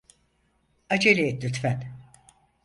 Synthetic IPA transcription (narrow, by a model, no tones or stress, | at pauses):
ad͡ʒeɾiet̪lʲyt̪fæn